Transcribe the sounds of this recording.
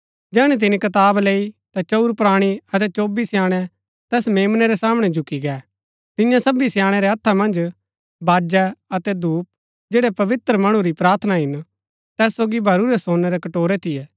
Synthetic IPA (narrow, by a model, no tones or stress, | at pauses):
d͡ʒɛːɽ̃ɛt̪̬ɪnikɐt̪̬aːbleːit̪at͡ʃɐuɾpɾaːɽ̃iɐt̪ɛt͡ʃoːbisjaːɽ̃ɛ | t̪ɛːsmeːmnɛɾɛsaːmɽ̃ɛd͡ʒʱʊkiɡɛː | t̪ɪ̃jãsɐbisjãːɽ̃ɛɾɛɐt̪ʰːamɐ̃nd͡ʒ | baːd͡ʒɛɐt̪ɛd̪uːp̚ | d͡ʒeːɽɛpɐʋɪt̪ɾəmɐɽ̃uɾipɾaːɾt̪ʰnaɦɪn | t̪ɛːsːoːɡibʱɐɾuɾɛsõːnːɛɾɛkɐʈoːɾɛt̪ʰɪjɛː